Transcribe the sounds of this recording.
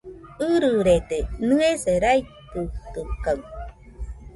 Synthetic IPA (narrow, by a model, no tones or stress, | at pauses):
ɯɾɯɾet̪enɯeseɾajt̪ɯt̪ɯkaw